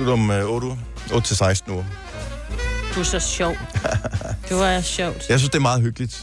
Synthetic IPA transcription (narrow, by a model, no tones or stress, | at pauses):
udɒmɔːɾu | ʔɔːd̥t͡sʰe̝lsɑ̈ɪsd̥n̩uɐ | d̥uɐsɒɕɔʊ̰̥ | d̥eɑɕɔʊd̥jɑ̈ɪsynsd̥e̝æɐmɑ̈ːð̞̩ˠɦøɡ̥əlid̥